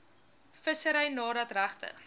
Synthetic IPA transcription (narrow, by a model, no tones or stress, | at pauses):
fəsəɾəjnɑːdɐtræχtə̰